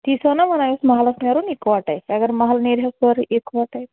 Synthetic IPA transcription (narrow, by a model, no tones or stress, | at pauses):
t̪isənamənajosmaɦalasnjaɾuːnekʋaʈajaɡəɾmaɦalneɾjasʋəɾekʋaʈaj